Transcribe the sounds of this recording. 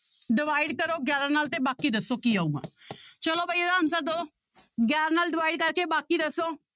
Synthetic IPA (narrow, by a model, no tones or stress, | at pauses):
ɖɪʋaːiɖkəɾoːɡjaːɾãːnaːlt̪ẽːbaːkiːd̪əsoːkiːaːuɡã̰ːt͡ʃəloːbaied̪aənsəɾ̚d̪o | ɡjaːɾanaːlɖɪʋaːiɖkəɾkeːbaːkiːd̪əsːoː